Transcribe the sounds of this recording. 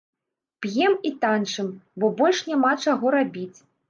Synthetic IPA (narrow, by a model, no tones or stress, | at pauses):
pjɛmit̪ant͡ʂɨmbɔbɔlʲʂnʲamat͡ʂaɣɔɾabʲit͡sʲ